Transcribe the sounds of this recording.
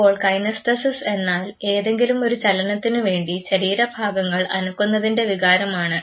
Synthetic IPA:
oːɭkɐjnɐstɐsɐse̞nːaːle̞ːðe̞ŋɡilumo̞ɾut͡ɕɐlɐnɐt̪ːinɨʋe̞ːɳɖiɕɐɾiːɾɐbʱaːɡɐŋːɐɭɐnukːunːɐðinde̞ʋiɣaːɾɐmaːɳɨ

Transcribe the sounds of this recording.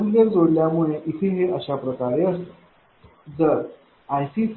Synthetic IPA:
lləɾd͡zoɽljamuɭeʔit̪ʰeɦeʔəɕapɾəkaɾeəst̪ə̥ | d͡zəɾ | ajsiːt͡s

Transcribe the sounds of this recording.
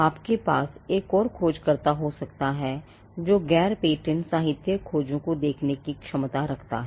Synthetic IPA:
aːpkepaːseːkɔːɾkʰoːd͡ʒkɐɾt̪aɦosɐkt̪aɦɛ | d͡ʒoːɡɛːɾpeːʈənsaːɦɪt̪jəkʰoːd͡ʒõkod̪eːkʰnekikʃɐmt̪aɾɐkʰt̪a̰ɦɛː

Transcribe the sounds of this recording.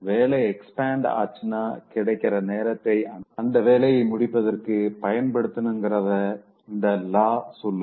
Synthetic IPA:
ʋeːlɐɪɛkspaːɳɖa̰ːt͡ʃːɯnaːkɪɽɐɪkːɪɾɐneːɾɐt̪ːɐɪɐɐnd̪ɐʋeːlɐjɐɪmʊɽɪpːɐðɐrkɯpɐjɐnpɐɽɯt̪ːɯnɯŋɡɪɾɐðɐ | ɪnd̪ɐlaːsʊlː

